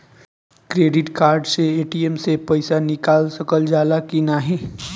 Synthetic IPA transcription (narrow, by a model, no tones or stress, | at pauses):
kɾeːɖɪʈkaːɾɖseeːʈiemsepɐɪsanɪkaːlsɐkəld͡ʒaːlakinaːɦĩː